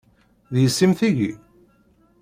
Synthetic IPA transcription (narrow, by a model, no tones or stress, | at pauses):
ðjəsːimθiʝi